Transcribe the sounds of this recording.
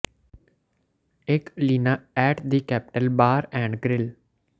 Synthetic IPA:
ɪkliːnaːɛːʈd̪iːkɛːpɪ̥ʈəlbaːɾɛ̃ːɳɖɡɾɪl

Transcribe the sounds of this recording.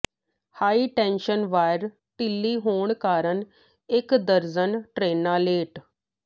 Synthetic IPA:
haːiːʈɛ̃ːnʃənʋaːɪɾ | ʈ̪ɪlːiːɦoːɳkaːɾəɳ | ɪkd̪əɾd͡ʒənʈɾeːnaːleːʈ

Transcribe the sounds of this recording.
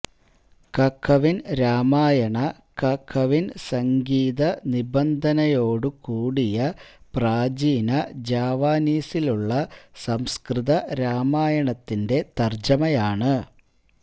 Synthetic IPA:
kɐkʰːɐʋinɾaːmaːjɐɳɐ | kɐkʰːɐʋinsɐŋɡiːðɐnibɐnd̪ʱɐnɐjo̞ːɽɨkuːɽijɐpraːd͡ʑiːnɐd͡ʑaːʋaːniːsiluɭːɐsɐmskrɨðɐɾaːmaːjɐɳɐt̪ːinde̞t̪ɐrd͡ʑɐmɐjaːɳɨ

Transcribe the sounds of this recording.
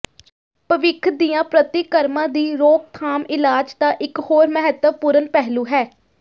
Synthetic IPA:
pəʋɪkʰd̪ijãːpɾət̪ɪkəɾmãːd̪iːɾoːk̚t̪ʰaːmɪlaːd͡ʒt̪ãːʔɪkhoːɾmɛɦət̪ːəpʊɾənpɛɦluːɦɛː

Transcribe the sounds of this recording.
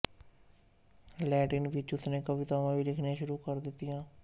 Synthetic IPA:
lɛːʈɪnʋɪt͡ʃʊt̪ʰnẽːkəʋit̪aːʋãːʋiːlɪkʰnãːʃʊɾuːkəɾd̪ɪt̪ːɪjãː

